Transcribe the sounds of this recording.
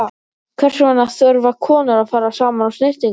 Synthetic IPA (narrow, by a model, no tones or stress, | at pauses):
kʰvɛr̥sɪmanːaθœɾvakʰɔːnʏɾaðfaːɾasaːmanawst̪ɪht̪iŋ